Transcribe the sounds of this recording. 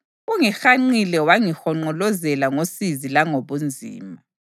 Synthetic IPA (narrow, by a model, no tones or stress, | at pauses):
uŋixaŋ͡ǀilɛwaŋixɔŋ͡ǃɔlɔzɛlaŋosizilaŋoβund͡zʱḭːma